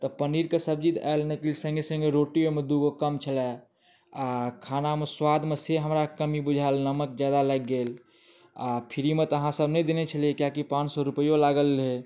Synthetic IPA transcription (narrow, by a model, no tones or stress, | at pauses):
t̪ɔpəniɾkesəb̚d͡ʒit̪a̰elneklsə̃ŋɡesə̃ŋɡeɾoʈiomẽd̪uɡokəmt͡ʃʰəlɛ | akʰanameswad̪mẽseɦəmɾakəmibud͡ʒʱalnəmək̚d͡ʒjad̪aləɡːel | apʰiɾimẽt̪əɦãsəbnɛĩd̪enet͡ʃʰəliekjakipãːt͡ʃsɔɾupəjolaɡəlːɦe